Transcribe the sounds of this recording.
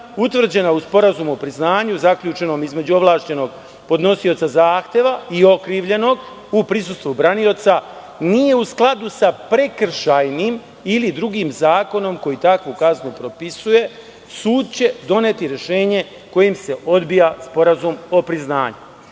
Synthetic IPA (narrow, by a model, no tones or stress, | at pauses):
ut̪vr̩d͡ʑe̞nauspo̞ɾazumuopɾiznaːɲuzakʎuːt͡ʃe̞no̞ːmizmed͡ʑuo̞ʋlˠaːʃt͡ɕe̞no̞ɡ | po̞d̪no̞sio̞t̪sazaːxt̪je̞ʋaio̞kɾiːʋʎe̞no̞ɡ | upɾisust̪ʋubɾanio̞t̪sa | nije̞usklˠad̪usapɾe̞kr̩ʃajnim | ilid̪ɾuɡiːmzaːko̞no̞mko̞jit̪akʋukaznupɾo̞pisuje̞ | suːd̪̚t͡ɕe̞d̪o̞ne̞t̪iɾje̞ʃe̞ːɲe̞ | ko̞jimse̞ʔo̞d̪bijaspo̞ɾazumo̞pɾizna̰ːɲu